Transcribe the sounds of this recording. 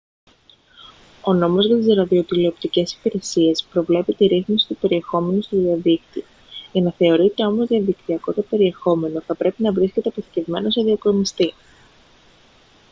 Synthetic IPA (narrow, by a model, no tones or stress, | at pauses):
o̞no̞mo̞zʝɐt̪izɾɐðio̞t̪ileopt̪ice̞si̥piɾe̞sie̞spɾo̞vle̞pit̪iɾiθmisi̥t̪upe̞ɾie̞xo̞me̞nust̪uðiɐðikt̪io | ʝɐnɐθe̞o̞ɾit̪e̞o̞mo̞zðiɐðikt̪iɐko̞t̪epe̞ɾie̞xo̞me̞no̞θɐpɾe̞pinɐvɾisce̞t̪eɐpoθi̥ce̞vme̞no̞seðiokɾomist̪i